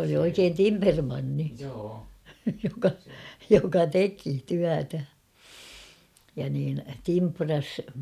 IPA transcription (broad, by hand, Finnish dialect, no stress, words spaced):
oli oikeːn timpermɑnːi jokɑ jokɑ teki tyætæ jɑ niːn timprɑs